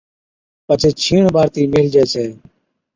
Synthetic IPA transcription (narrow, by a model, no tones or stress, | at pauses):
pət͡ʃʰeːt͡ʃʰiːɳbʱaːɾt̪iːmeːld͡ʒeːsʰeː